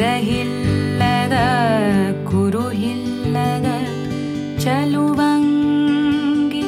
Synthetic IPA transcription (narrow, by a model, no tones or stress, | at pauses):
ɾɐɦilːɐd̪ɐ | ɡuɾuɦilː | ɐd̪ɐ | t͡ʃɐluʋaːŋ | ɡi